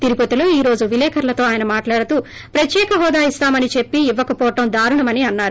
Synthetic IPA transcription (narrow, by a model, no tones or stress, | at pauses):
t̪iɾipot̪ilo̞ːiːɾo̞ːd͡ʒuʋilɛːkʰɐɾlɐt̪o̞ːaːjɐnɐmaːʈlaːɽɐt̪uː | pɾɐt̪jɛːkɐɦɔːd̪aːist̪aːmɐnit͡ʃe̞pːiːʋːɐkɐpɔːʈɐmd̪aːɾuɳɐmɐniɐnːaːɾu